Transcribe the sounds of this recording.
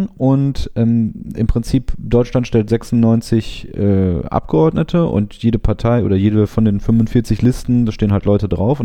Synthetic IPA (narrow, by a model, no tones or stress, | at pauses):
ʔʊntʔɛːmɪmpʁ̥ɪnt͡siːpd̥ɔʏt͡ʃlantʃtɛltz̥ɛksʊnnːɔʏnt͡sɪçʔɛːʔa̰p̚ɡ̥əɔɐdnətʰəʔʊ̰ntjeːɾəpʰaɐtʰaɪʔo̰ːdɐjeːdəfɔndeːnfʏmvʊntfɪɐt͡sɪçlɪstn̩daːʃteːənɦaltlɔʏtədʁaʊfʊn